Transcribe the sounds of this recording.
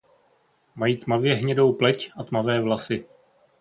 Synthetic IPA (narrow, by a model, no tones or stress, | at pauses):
majiːt̪mavjɛɦɲɛdo̞wplɛcʔat̪mavɛːvlasɪ